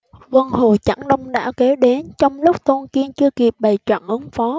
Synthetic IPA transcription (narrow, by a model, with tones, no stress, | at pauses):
və˧nho˨˩t͡ɕa̰˧˩ŋɗə˧wŋ͡mɗa̰ː˧˥˩wkɛ˨˦ɗe˨˦nt͡ɕɔ˧wŋ͡mlʊ˦˥k͡p̚t̪o˧nki˧ənt͡ɕɨ˧əki˨˩p̚ɓə˨˩jt͡ɕwə̰˧˨nʔɨ˨˦ŋfɔ˨˦